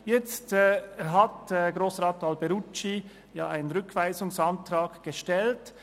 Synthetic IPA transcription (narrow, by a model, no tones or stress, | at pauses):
jɛt͡stɦɑtɡɾoːsʁɑːtɑlbɛɾut͡ʃi | jɑ̰ːʔaɪnənʁʏkʰv̥aɪzʊŋsɑntɾɑːɡɡ̥əʃtɛlt